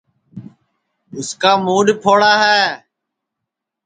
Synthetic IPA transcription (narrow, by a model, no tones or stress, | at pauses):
ʊskaːmuːɗpʰoːɽaːɦɛː